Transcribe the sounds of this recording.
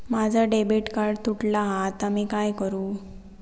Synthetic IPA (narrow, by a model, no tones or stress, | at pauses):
mad͡zʱaɖebiʈkaɾɖt̪uʈlaɦat̪amiːkajkəɾuː